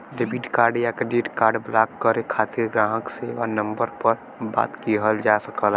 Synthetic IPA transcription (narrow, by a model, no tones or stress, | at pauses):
ɾɪbiʈkaːɾɖjakɾɪɖiʈkaːɾɖblaːkːəɾekʰaːt̪ɪɾɡɾãːɦəkseːʋanə̃mbəɾpəɾ | ba̰ːt̪kiɦəld͡ʒaːsəkəl